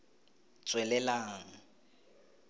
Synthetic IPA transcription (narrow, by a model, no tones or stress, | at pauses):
t͡sʼwɛlɛlaːŋ̩